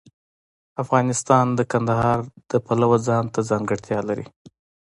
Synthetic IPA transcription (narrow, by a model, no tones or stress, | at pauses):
afɣɑnɪst̪ɑnd̪əkand̪ahɑɾd̪̥əpalawad͡zɑnt̪azɑŋɡəɽt̪ʰjɑlaɾḭ